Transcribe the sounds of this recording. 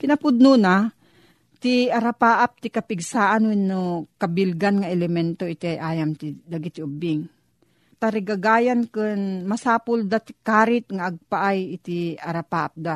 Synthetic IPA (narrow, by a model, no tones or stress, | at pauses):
kɪnɐpʊd̪̚nuːna | t̪iɐɾapaːʔap̚t̪ɪkɐpɪɡsaːʔanwɛnːokɐbɪlɡanŋaʔɛlɛmɛnt̪oɪt̪iajʔaːjamt̪ɪd̪aɡit̪ɪʊbɪŋ | t̪aɾɪɡaɡaːjankɨnmɐsaːpʊld̪at̪ɪ̥kaːɾɪt̪̚ŋaʔːɡ̚paʔajɪt̪iɐɾapaːʔap̚d̪a